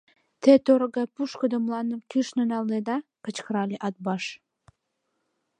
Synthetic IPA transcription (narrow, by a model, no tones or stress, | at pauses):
t̪et̪oɾɣɑpuʃkəd̪əmlɑnəmkyʃnonɑlned̪ɑkə̆t͡ɕkəɾɑlʲeʔɑt̪̚bɑʃ